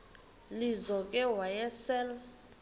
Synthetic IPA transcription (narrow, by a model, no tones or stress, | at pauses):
lizɔkʼɛwajɛsɛl